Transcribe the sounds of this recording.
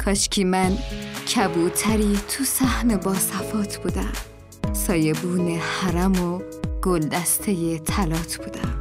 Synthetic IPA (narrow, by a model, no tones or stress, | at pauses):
kʰɒʃcʰiːmæncʰæbut̪ʰæɾit̪ʰusæhnebɒːsæfɒːt̪ʰb̥ud̪æm | sɒːjebuːnehæɾæmoɡ̥old̪æst̪ʰejet̪ʰælɒːt̪ʰb̥uːd̪æm